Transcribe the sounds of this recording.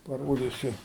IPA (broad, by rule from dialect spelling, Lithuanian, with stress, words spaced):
pɐˈroːdʲɪsʲʊ